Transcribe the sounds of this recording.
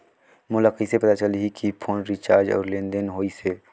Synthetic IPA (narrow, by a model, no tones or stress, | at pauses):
mʊlaqisepɐt̪at͡ʃəliɦikipʰoːnɾit͡ʃaːɾd͡ʒɔ̰ːɾlẽːnd̪ənɦoːise